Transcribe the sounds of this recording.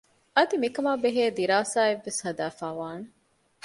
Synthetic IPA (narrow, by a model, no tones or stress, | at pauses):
ɐd̪imikɐmaːbeɦeːd̪iɾaːsaːeʋːeshɐd̪æːfaːʋaːne